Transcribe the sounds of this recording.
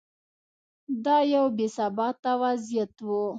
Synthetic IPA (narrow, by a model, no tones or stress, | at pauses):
d̪ɑjawbesabɑt̪ːawazijat̪wu